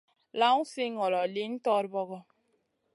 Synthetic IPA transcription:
la˦ŋu˦si˦ŋɔ˨lɔ˨li˦n̩˦tɔ˦ɾbɔ˦ɣɔ˦

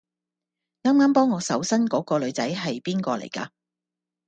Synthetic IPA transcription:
ŋaː˥mŋaː˥mpɔː˥ŋːɔː˨˧sɐ˨˥wsɐ˥nkɔː˨˥kɔː˧lɵ˨˧ɥt͡sɐ̰˨˥jɦɐ˨jpiː˥nkɔː˧lḛ˨˩jka̰ː˧

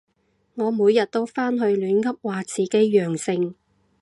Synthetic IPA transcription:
ŋɔː˨˧muː˨˧jɐ˨t̚t̪o˥wfaː˥nɦɵ˧ɥlyː˨˥nkɐ˥p̚waː˨t͡sʰiː˨˩ke˨˥jːœː˨˩ŋsɪ˧ŋ

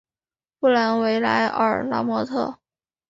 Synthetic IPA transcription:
pu˥˩la˧˥nwe˧˥ɪla̰˧˥ɪʔə̰˞˨˩la̰˥mwɔ˧˥t̪ʰɤ̰˥˩

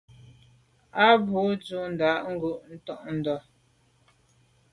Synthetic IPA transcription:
a˦bu˨˦d͡zu˦n̩˨da˨˦ʔŋ̩˦ɡu˦˨ʔn̩˦tɔ˦ʔn̩˨dɔ˨

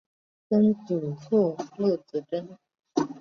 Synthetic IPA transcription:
kə˥nt͡su˨˩t͡sʰɔ˥˩lɤ˥˩t͡sɹ̩˧˥ʈ͡ʂə˥n

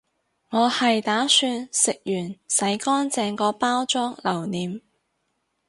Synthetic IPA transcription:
ŋɔː˨˧hɐ˨jt̪aː˨˥syː˧nsɪ˨k̚jyː˨˩nsɐ˨˥jkɔː˥nt͡sɛː˧ŋkɔː˧paː˥wt͡sɔː˥ŋlɐ˨˩wniː˨˧m

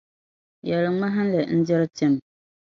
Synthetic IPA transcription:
jɛ˨lɨ˨ma˦ɦa˦n˦lɛ˨n̩˦d͡ʒɛ˦ɾɨ˦tɛ˦m˨

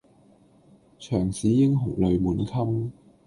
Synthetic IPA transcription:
t͡ʃʰœː˨˩ŋsiː˨˥jɪ˥ŋɦʊ˨˩ŋlɵ˨˧ɥmuː˨˥nkʰɐ˥m

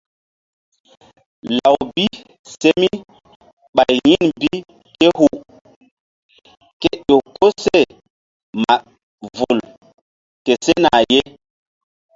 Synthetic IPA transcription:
la˨wbi˦ | se˦mi˦ | ɓa˨jjĩ˦nbi˦ | ke˦hu˨ | ke˦ɗo˨ko˦se˦˨ | ma̰˨ | vu˨l | ke˨se˦na̰˨je˦

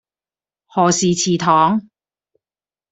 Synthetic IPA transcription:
hɔː˨siː˨t͡sʰiː˨t̪ʰɔː˨˥ŋ

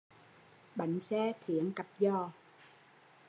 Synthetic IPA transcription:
ɓa˨˩jŋ̟sɛː˧˥t̪ʰi˨˦əŋka˨˩p̚zɔː˧˩

